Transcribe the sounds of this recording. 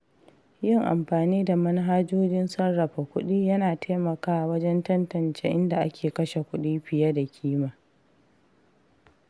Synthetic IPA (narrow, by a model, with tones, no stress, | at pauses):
jɪ˦ŋʔa̰˨mɸaː˨niː˦da˨mɐ˦n˦ɦaː˦d͡ʒoː˦d͡ʒɪ˦nsɐ˦nːɐ˨ɸa˨kʷʊ˦ɗiː˦jɐ˦naː˨tʰeː˦mɐ˨kaː˦˨wɐ˦d͡ʒɛ˦ntɐ˦ntɐ˨nt͡ʃḛː˦ʔɪ˦nda˨ʔa˦kʲeː˨kɐ˦ʃe˨kʷʊ˦ɗiː˦ɸɪ˨ja˦da˨kʲʰiː˦maː˨